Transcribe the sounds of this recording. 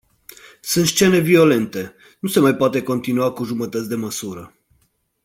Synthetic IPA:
sɨnt̪sʃt͡ʃe̞ne̞vio̞le̞nt̪e̞ | nuse̞majpoat̪e̞ko̞nt̪inuakuʒumət̪ət̪sʲd̪e̞məsuɾə

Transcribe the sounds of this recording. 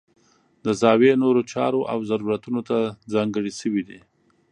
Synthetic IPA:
d̪əzɑwenoɾot͡ʃɑ̰ɾoʔa̰wzaɾuɾat̪unot̪azɑŋɡəɽiʃəwid̪i

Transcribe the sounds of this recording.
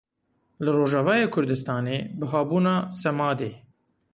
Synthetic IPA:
lɨroːʒɑːvɑːjeːkʰʊɾd̪ɨst̪ɑːneːbɨɦɑːbuːnɑːsɛmɑːd̪eː

